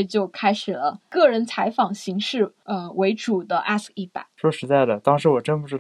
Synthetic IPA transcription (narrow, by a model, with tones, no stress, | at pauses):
t͡ɕjo˥˩ʊkʰa˥ɪʂɻ̩˨˩lə˦kɤ˥˩ɻə˧˥nt͡sʰa˧˥ɪfɑ˨˩ŋɕi˧˥ŋʂɻ̩˥˩ə˧we˧˥ɪʈ͡ʂu˨˩d̪ə˦ʔa˥˩si˥˩pa̰˨˩˦ʂwɔ˥˩ʂɻ̩˧˥t͡sa˥˩ɪlə˩t̪ɑ˥ŋʂɻ̩˧˥wɔ˨˩ʈ͡ʂə˥npu˥ʈ͡ʂɻ̩˥